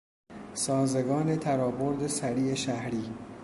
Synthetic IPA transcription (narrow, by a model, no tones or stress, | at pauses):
sɒːzeɡɒːnet̪ʰæɾɒːbo̞ɾd̪esæɾiːeʃæhɾiː